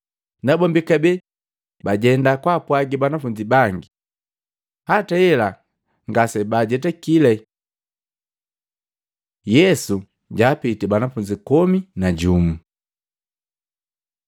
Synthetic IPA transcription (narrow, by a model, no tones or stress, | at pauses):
nabɔmbikabɛ | baɟɛndakwapwaɡibanafuɲd͡ʒibaŋɡi | hataɛla | ŋɡasɛbaɟɛt̬ɛkilɛ | jɛsu | ɟaːpitibanafuɲd͡ʒikɔminaɟumu